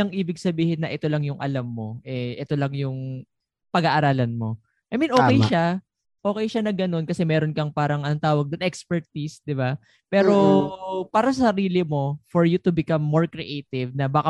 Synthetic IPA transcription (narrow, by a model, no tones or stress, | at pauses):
ɐŋʔiːbɪɡsɐbiːhɪnːɐʔɛt̪o̞lɐŋjʊŋʔɐ̰lamːo̞ʔɛʔɛt̪o̞lɐŋjʊŋ | pɐɡaʔɐɾaːlɐnmo̞ | ʔɐjminʔoːkɛjʃa | ʔo̞ːkɛjʃanɐɡɐno̞nkɐsɛmɛːɾonkɐŋpaːɾɐŋʔɐnɐnt̪aːwɐɡ̚d̪ʊnʔɛkspɛɹt̪isd̪ɪba | pɛːɾo̞paːɾɐs̬ɐsɐɾiːlɪmo̞foɹjut̪ʊbɪkamːoɹkɾɪʔejt̪ɪvnɐbaːkɐa